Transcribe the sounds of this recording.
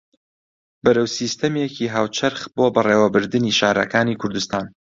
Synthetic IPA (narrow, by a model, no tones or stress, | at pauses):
bɨɾɐwsiːst̪ɐmjeciːɦaːwt͡ʃʰɐɾχboːbɐreːwɐbɨɾd̪ɨniːʃaːɾɐ̰kaːniːkʰʊɾd̪ust̪aːn